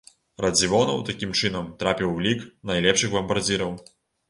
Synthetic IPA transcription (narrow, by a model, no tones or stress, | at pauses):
rɐd͡zʲivɔnɐwt̪akʲimt͡ʂɨnɐmt̪ɾapʲiwːlʲiknajlʲɛpʂɨxbɐmbard͡zʲiɾɐw